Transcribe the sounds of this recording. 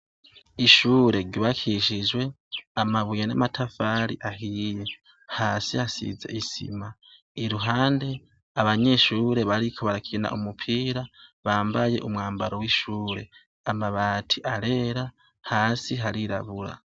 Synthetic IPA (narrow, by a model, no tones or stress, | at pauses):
iʃuːɾe̞ɾɟuβakʰiʃid͡ʒwe̞ | amaβujana̰matʰafaɾḭʔahije | haːsiasḭze̞̰isḭma | iɾuɦaːnde̞ | aβaɲe̞ʃuːɾe̞βaɾikʰoβaɾakina̰ʔumupʰiːɾaβaːmbaje̞̰ʔumŋaːmbaɾo̞wiʃuːɾe̞̰ | amaβaːtʰiʔaɾe̞ːɾa | haːsiɦaɾiɾa̰βuɾa̰